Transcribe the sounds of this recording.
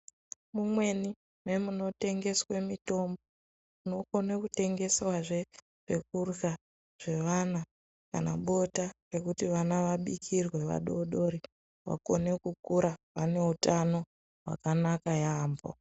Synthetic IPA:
mumwe̞ni | me̞muno̞te̞ŋɡe̞swemito̞mbo | muno̞ko̞nekute̞ŋɡe̞swaʐe | ʐek̚urɣa | ʐ̥e̞ʋana | ka̰naɓo̞tare̞kutiʋanaʋaɓikʰirwe̞ʋa̰ɗoɗo̞ɾi | ʋa̰ko̞ne̞kukuɾaʋane̞utano̞ | wa̰kanakajaːmbo̰

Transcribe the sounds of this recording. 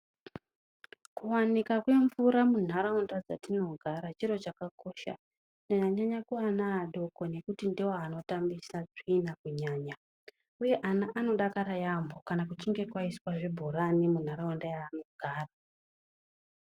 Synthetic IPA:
kuwanikakwe̞ɱvuɾamun̤aɾaundad͡za̰tino̞ɡʱaɾat͡ʃiɾo̞t͡ʃakako̞ʃa̰ | naɲaɲaɲakuanaːɗo̞ko̞ne̞kutindiwoano̞tambisaʐiinakuɲaːɲa | uje̞ʔanaʔano̞ɗakaɾajambo̞kanakut͡ʃiŋɡe̞kwaiswaʐebʱoɾanimun̤aɾaundajaːno̞ɡʱaːra

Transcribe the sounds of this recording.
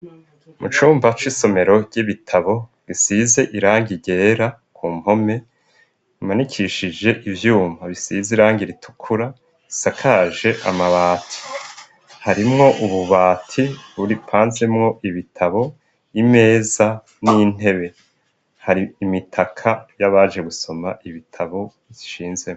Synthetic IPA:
mut͡ʃuːmbat͡ʃwiso̞me̞ɾo̞ɾɟiβitʰaβo̞ɡ̥isize̞ʔiɾaːŋɡiɟe̞ːɾakʰuːm̥ho̞me̞ | manikʰiʃid͡ʒe̞ʔivjuːmaβisiziɾaːŋɡiɾitʰu̥kʰuɾa | isakʰaːʒe̞ʔa̰maβaːtʰi̥ | haɾimŋo̞ʔuβuβaːtʰiβuɾipʰaːnze̞mŋo̞ʔiβitʰaβo̞ | ime̞ːza | nin̥e̞βe̞ | haɾiːmitʰakʰajaβaːd͡ʒe̞ɡuso̞ma̰ʔiβitʰaβo̞ | ziʃiːnze̞o

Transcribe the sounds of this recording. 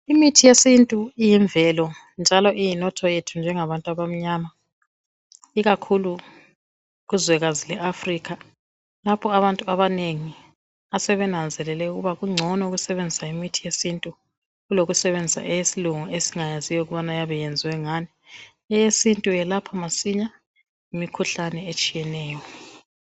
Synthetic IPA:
imitʰijesintʼuijɛɱvɛlɔ | nd͡ʒʱalɔʔijinɔtʰɔjetʰund͡ʒʱɛŋaβantʼaβam̩ɲaːma | iɣakʰulu | ɣuzwɛɣazilɛʔafrikʰa | lapʰɔaβantʼuaβaneŋi | asɛβɛnand͡zʱɛlɛlɛuɣṵβaɣuŋ͡ǀʱɔnɔuɣusɛβend͡zʱisaimitʰijesintʼu | ɣuloɣusɛβend͡zʱisa̰ʔɛjesiluŋɔesiŋajazijɔuɣuβanajaβɛjend͡zʱiwɛŋani | ɛjesintʼujɛlapʰamasiɲa | imikʰuɬanɛet͡ʃʼijɛnɛːjɔ

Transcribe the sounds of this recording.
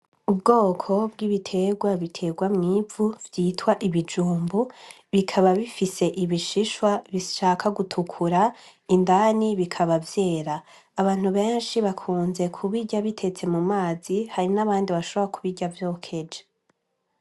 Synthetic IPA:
ubɡo̞ːkʰo̞bɡiβitʰe̞ɡwaβitʰe̞ɡwamŋiːvuvjiːtwaʔiβid͡ʒuːmbu | βikʰaβaβifise̞ʔiβiʃiʃwaβiʃaːkʰaɡutʰukʰuɾa | indaniβikʰaβavje̞ːɾaː | βaːn̥uβe̞ːnʃiβakʰuːnze̞kʰuβiɟaβitʰe̞t͡se̞mumaːzihaɾinaβaːndiβaʃo̞βoɾakuβiɟavjoːkʰe̞d͡ʒe

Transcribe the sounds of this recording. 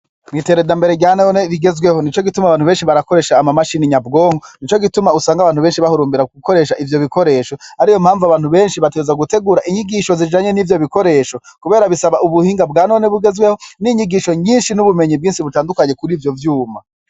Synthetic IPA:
mɡiteɾedambe̞ɾe̞ɡɟaːnoneɾiɡe̞zɡwe̞ho̞nit͡ʃo̞ɡitumaβaːn̥uβeːnʃiβaɾako̞ɾe̞ːʃaːmamaʃiːniɲabɡo̞ːŋonit͡ʃo̞ɡitumausaːŋɡaβaːnhuβe̞ːnʃiβahuɾuːmbiɾauuko̞ɾe̞ːʃaʔivjo̞βiko̞ɾe̞ːʃo̞aɾijomhaːɱvuaβaːn̥huβe̞ːnʃiβatezaɡute̞ɡuːɾaʔiɲiɡiʃo̞ziʒaːɲe̞nivjo̞βiko̞ɾe̞ːʃo̞kuβe̞ːɾaβisaβaʔuβuhiːŋɡabɡaːnoneβuɡe̞zɡweho̞niɲiɡiʃo̞ɲiːnʃinuβumeɲib̚ɡiːnʃiβutaːndukaɲe̞kuɾiːvjo̞vjuːma

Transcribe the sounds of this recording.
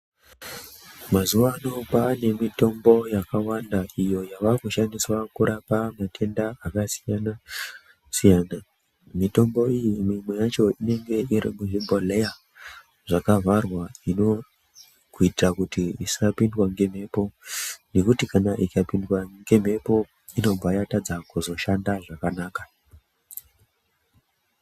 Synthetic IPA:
mazuʋano̞paːne̞mito̞mbo̞jakawandaijo̞jaʋakuʃandiswakuɾapamatʰe̞ndaakasijana | sijana | mito̞mbo̞ijimimwe̞jat͡ʃo̞ine̞ŋɡe̞ʔiɾḭmuʐimbʱoleja | ʐ̥akavarwaino̞ | kuitirakutiisiapindwaŋɡe̞m̤e̞ːpo̞ne̞kutikanaʔikapindwaŋɡe̞m̤e̞po̞ | ino̞mbʱajatad͡zakuzo̞ʃandaʐakanaːka

